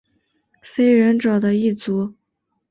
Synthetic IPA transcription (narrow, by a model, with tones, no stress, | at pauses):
fe˥ɪɻə˧˥nʈ͡ʂɑ˨˩ʊd̪ə˦i˥˩t͡su˧˥